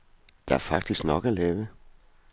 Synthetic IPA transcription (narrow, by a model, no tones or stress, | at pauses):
d̪̥ææɐfɑ̈ɡ̥̚d̥isɡ̥nɔɡ̥əæleːʋə